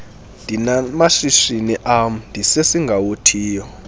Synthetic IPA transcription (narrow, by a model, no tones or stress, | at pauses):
nd̥ʱinamaʃiʃiniʔam̩ndʱisesiŋɡʱawotʰiːjɔ